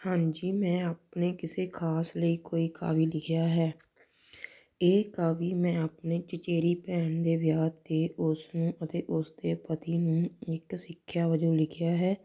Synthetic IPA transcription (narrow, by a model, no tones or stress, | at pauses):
hãːɲd͡ʒiːmɛ̃ːaːpneːkɪseːkʰaːsləiːkoːiːka̰ːʋiːlɪɡɪjaːɦɛː | eːkaːʋiːmɛ̃ːaːpneːt͡ʃət͡ʃeːɾiːpɛːɳd̪eːʋjaːeːʔʊsnũːʔət̪eːʔʊsd̪eːpət̪iːnũːɪksɪkʰːjaːʋəd͡ʒõːlɪɡɪjaːɦɛː